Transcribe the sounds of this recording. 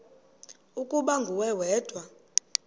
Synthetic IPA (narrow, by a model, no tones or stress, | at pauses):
ukʼuɓaŋɡʱuwɛwɛːd̥ʱwa